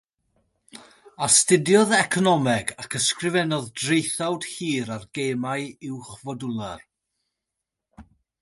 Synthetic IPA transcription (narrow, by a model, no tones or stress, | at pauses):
astɪdjɔðɛkʰɔnɔmɛɡakʰəskrɪvɛnɔðdrejθawd̥hiːɾarɡeːmaɨɪwχvɔdʊlˠar